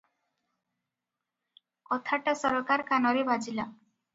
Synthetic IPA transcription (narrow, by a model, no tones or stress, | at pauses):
ɔt̪ʰaʈasɔɾɔkaɾkanɔɾebʱad͡ʒila